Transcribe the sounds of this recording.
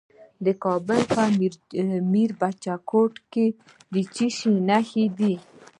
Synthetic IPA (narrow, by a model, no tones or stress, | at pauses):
d̪əkɔbəlpa | miɾbat͡ʃakoʈke | d̪it͡ʃiʃĩnahid̪i